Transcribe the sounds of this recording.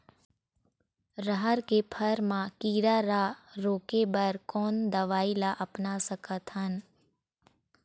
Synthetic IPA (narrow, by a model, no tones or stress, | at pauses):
ɾəɦəɾkepʰəɾmãkiːɾaɾaɾoːkebəɾkɔːnd̪ɐʋaːilaʔɐpnasəkət̪ɦən